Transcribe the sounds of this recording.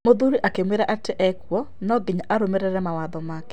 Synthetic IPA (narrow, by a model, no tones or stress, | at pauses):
moðuɾiʔakemweɾaʔateʔɛkwɔ | nɔɡeɲaʔaɾomeɾɛɾɛmawaðɔmaːkɛ̥